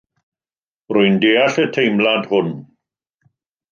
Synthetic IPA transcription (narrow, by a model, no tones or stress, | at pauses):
rʊɨndeːaɬətʰejmlandhʊn